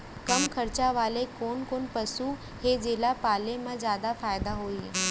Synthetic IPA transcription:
kɐmkʰɐɾt͡ɕaʋaːlekoːnkoːnpɐsu | heːd͡ʑeːlapaːlemãzjaːd̪afaːjɪd̪aɦoːi

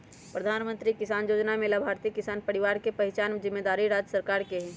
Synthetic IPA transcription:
pɾəd̪ʱaːnmə̃nt̪ɾikɪsaːnjoːd͡ʒnamẽlabʱaːɾt̪ikɪsaːnpɐɽɪʋaːɾkepɐɦɪt͡ʃaːnzɪmːeːd̪aːɾiɾaːd͡ʒəsəɾkaːɾkeɦɛ̃

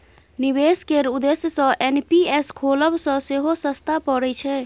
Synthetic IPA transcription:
nibeskeɾud̪esjəsə̃ʔenpieskʰoləbsə̃seɦosəst̪ʰapɔɾɛt͡ʃʰɛ

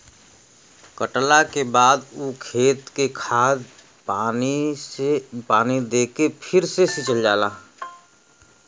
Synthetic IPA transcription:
kəʈlakebaːd̪uːkʰeːt̪kekʰaːd̪ | aː | epaːnid̪eːkepʰɪɾsesit͡ʃəld͡ʒaːlaː

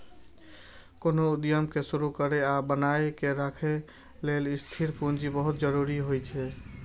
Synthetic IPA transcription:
konoud̪jəmkesuɾukəɾeabənajkeɾakʰe | lelist̪ʰiɾpund͡ʒibəɦut̪̚d͡ʒəɾuɾiɦojt͡ʃʰɛ

